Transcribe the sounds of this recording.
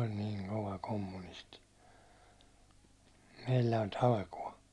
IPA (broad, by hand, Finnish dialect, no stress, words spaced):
olʲ niːŋ koʋɑ komːunisti meilːæ olʲ tɑlkuɒ